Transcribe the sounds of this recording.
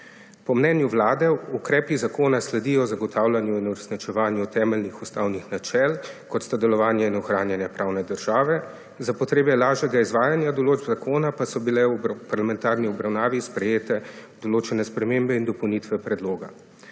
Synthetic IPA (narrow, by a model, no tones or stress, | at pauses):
pɔmnɛnjuʋlaːd̪ɛukɾɛːpizakoːnaslɛd̪ijɔzaɡɔt̪ʰaːwlanjuinuɾɛsnit͡ʃɛʋaːnjut̪ɛːmɛlnixust̪awnixnat͡ʃɛlkɔt̪st̪ad̪ɛlɔʋaːnjɛinɔxɾaːnjanjapɾʔaːwnɛd̪əɾʒ̥aːʋɛ | zapɔt̪ɾeːbɛlaːʒjɛɡaizʋaːjanjad̪ɔloːd͡ʒbzakʰoːnapasɔbilɛwpaɾlamɛ̃nt̪aɾniɔbɾawnaːʋispɾɛjeːt̪ɛd̪̥ɔloːt͡ʃɛnɛspɾɛmeːmbɛind̪ɔpɔwnit̪ʋɛpɾɛd̪loːɡa̰